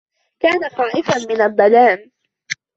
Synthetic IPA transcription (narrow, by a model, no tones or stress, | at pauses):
kaːnaxɑːʔɪfanmɪnalbanaːn